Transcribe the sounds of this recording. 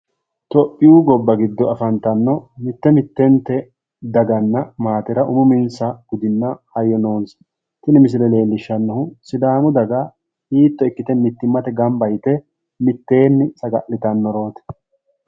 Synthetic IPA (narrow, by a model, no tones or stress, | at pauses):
t̪ɔpʼːɪjuːɡɔbːɐɡɪd̪ːɔɐfɐnt̪ɐnːɔmɪt̪ːɛmɪt̪ːɛnt̪ɛ | d̪ɐɡɐnːɐmaːt̪ɛɾɐʔʊmʊmɪnsɐɡ̥ʊd̪ɪnːɐhɐjːɔno̞ːns | t̪ɪnɪmɪs̬ɪlɛle̞ːlːɪʃːɐnːɔhʊsɪd̪aːmʊd̪ɐɡa | hiːt̪ːɔɪkːɪt̪ɛmɪt̪ːɪmːɐt̪ɛɡɐmbɐjt̪ɛ | mɪt̪ːe̞ːnːɪsɐɡɐ̰ʔlːɪt̪ɐnːɔɾo̞ːt̪ɛ̥